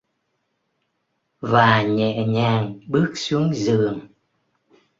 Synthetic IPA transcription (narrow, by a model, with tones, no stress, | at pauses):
vaː˨˩ɲɛ̰˧˨ɲaː˨˩ŋɓɨ˦˥ək̚su˨˦əŋzɨ˨˩əŋ